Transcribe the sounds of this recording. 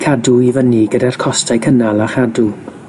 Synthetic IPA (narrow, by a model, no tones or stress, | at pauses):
kʰaduivəniɡədar̥kʰɔstʰajkʰənalˠaχadu